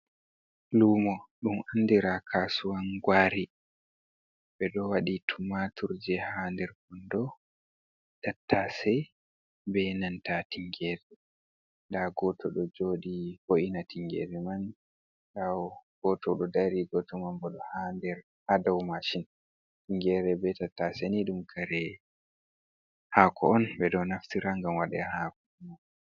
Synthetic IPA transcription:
lumɔɗumandiɾakʰasuwanɡwaːɾi | ɓɛɗɔwaɗitʰumatʰuɾd͡ʒɛhandɛɾkɔndɔ | tatʰːasɛ | bɛnantatiŋɡɛɾɛ | ndaɡɔtʰɔɗɔd͡ʒoːɗiboʔinatiŋɡɛ̰ɾɛman | daɡ̥ɔtɔɗɔdaɾiɡɔtɔmambɔɗɔhandɛɾ | hadɔwmaʃin | tiŋɡɛɾɛbɛtatːasɛniɗumkʰaɾɛ | hakʰɔɔnbɛɗɔnaftiɾaŋɡamwaɗɛ̰hakɔma

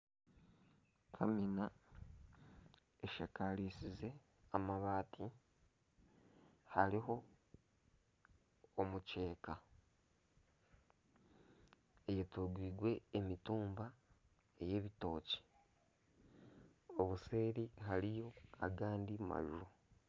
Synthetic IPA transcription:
kʰamina | eʃakaliːsize̞ | amaβaːtʰi | haɾiɦo̞ | muce̞ːka | ejetuɡwiːɡwe̞ːmituːmba | e̞je̞βito̞ːci̥ | oβuse̞ːɾiɦaɾijo̞aɡaːndima̰ʒuɾo

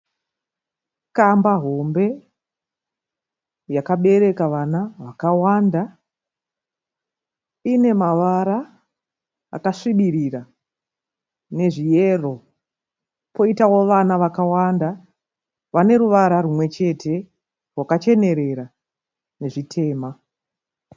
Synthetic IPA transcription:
kambaɦo̞mbe̞ | jakaɓe̞ɾe̞kaʋanaʋakawanda | ine̞maʋaɾa | a̰kaʂiɓiɾira | ne̞ʐijero̞ | po̞itawo̞ʋanaʋakawanda | ʋane̞ɾuʋaɾaɾumwe̞t͡ʃe̞tʰe̞ | rwakat͡ʃe̞ne̞ɾe̞ɾa | ne̞ʐitʰe̞ːma

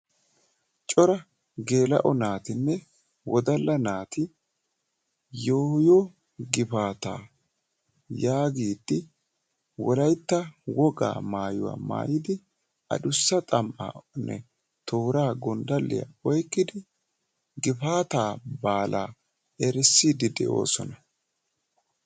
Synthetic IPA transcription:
t͡ʃʼɔɾɐ | ɡe̞ːlɐ̰ʔɔnaːt̪ɪnːɛ | wɔd̪ɐlːɐnaːt̪ɪ | joːjoː | ɡɪfaːt̪a̰ː | jaːɡiːd̪ːɪ | wɔlɐjt̪ːɐwɔɡa̰ːmaːjʊwa̰ːma̰ːjɪd̪ɪ | ʔɐ̰dʊsːɐt̪ʼɐmʔa̰nʔɛ̰ | t̪oːɾaːɡɔnd̪ɐlːɪ̰ja̰ɔjkːɪd̪ɪ | ɡɪfaːt̪aːbaːlʔaː | ɛɾɛsːiːd̪ɪd̪ɛ̰ʔo̞̰ːsɔnɐ

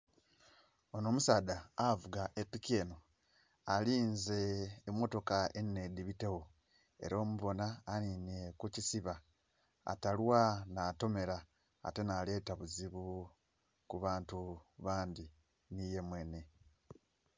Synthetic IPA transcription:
ono̞ːmusaːdaavuɡaʔepːikieːno | aliːnze̞ːmːo̞to̞kaenːe̞d̪iβite̞wo̞ | e̞̰ɾo̞ːmuβo̞naːninekucisiβa | a̰talwanaːto̞me̞ɾa̰ː | te̞naːle̞ːtaβuziβu | kuβaːntuβaːndi | nije̞mwe̞ːne̞

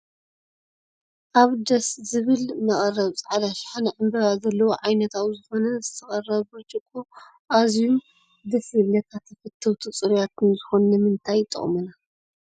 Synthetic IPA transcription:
ʔaβd̪ɐszɨβɨlnɐχʼɐrːɐβt͡sʼʕad̪aʃħanɨʕɨmbɐβazɐlːɐwoʕajnɐt̪ʰawzɨxo̞nɐzɨt̪ʰɐχʼɐrːɐβbɨt͡ʃʼɨkʼːo | ʔazjum | d̪ɐsiβnɐt̪ʰat̪ʰːɐfɨt̪ʰːɐwt̪ʰɨt͡sʼɨɾjat̪nzɨxo̞nnɨmɨnt̪ʰajt̪ʼɨ̰χʼmɨna

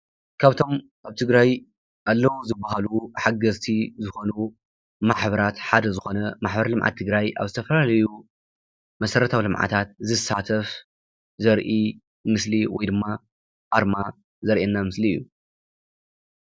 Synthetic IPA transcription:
kʰaβt̪ʰo̞m | kaβt̪ʰɨɡɾaj | ʔalːɐwuzɨbːaɦaluħaɡɐzt̪ʰizɨxo̞nu | maħbɐɾat̪ħad̪ɐzɨxo̞nɐmaħbɐɾɐlɨmʕa̰t̪ʰːɨɡɾajʔa̰βzɨt̪ʰɐfɐlalɐju | mɐsɐɾɐt̪ʰawilɨmʕa̰t̪ʰat̪̚zɨsat̪ʰɐf | zɐɾʔi | mɨsliwɔjd̪ɨmːa | ʔaɾma | zɐɾʔenːamɨsliɨ̰jːu

